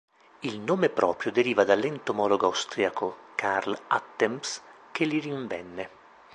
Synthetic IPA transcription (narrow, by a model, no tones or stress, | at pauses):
ilnoːmepɾɔ̰ːpɾjod̪eɾiːvad̪alːɛnt̪omɔloɡoawst̪ɾiakokarla̰t̪ːɛms | kelːiɾiɱvɛnːe